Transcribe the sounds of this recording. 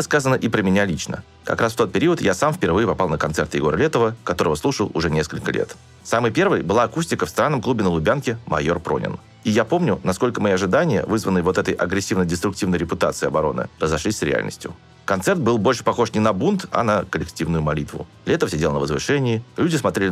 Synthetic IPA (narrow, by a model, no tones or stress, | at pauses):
əskazənəʔɪpɾəmʲɪnʲalʲit͡ɕnə̰ | kɐ̰kɾasft̪o̞t̪̚pʲɪɾʲiət̪jasamfʲpʲɪrvɨjɪpɐpalˠnəkɐnt̪sɛrt̪jɪ̰ɡo̞ɾəlʲe̞t̪əvəkɐt̪o̞ɾəvəslˠuʂəlˠʊ̰ʐɛnʲeskəlʲkəlʲḛt̪ | samɨjpʲe̞rvɨjbɨlˠaːkusʲtʲɪkəfst̪ɾanːəmklˠubʲɪnəlˠʊbʲankʲɪmɐ̰jo̞rpɾo̞̰nʲɪ̰n | ijapo̞mnʲʊnɐsko̞lʲkəmɐjiɐʐɨd̪anʲɪjə̰vɨzvənːɨjvo̞t̪ɛt̪əjʔɐɡɾʲɪsʲːivnədʲɪst̪ɾʊk̚tʲivnəjɾʲɪpʊt̪at̪sɨːɐbɐɾo̞nɨ̰rəzɐʂlʲisʲsɾʲɪ̰a̰lʲnə̰sʲtʲjʊ̰ | kɐnt̪sɛrt̪̚bɨlˠbo̞lʲʂə̥pɐxo̞ʂnʲɪnɐbunt̪ɐ̰nəkəlʲɪktʲivnʊjʊmɐlʲit̪vʊ̰ | lʲet̪əfəsʲɪdʲelˠnəvəzvɨ̰ʂɛnʲɪːlʲudʲɪsmɐt̪ɾʲelʲɪ